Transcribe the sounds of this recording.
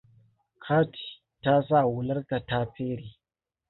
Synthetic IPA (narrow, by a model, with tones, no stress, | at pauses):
kʰa˦ti̥˨ | ta˦s̬a˦˨wu˨la˦ɾka˨ta˦pe˦ɾi˨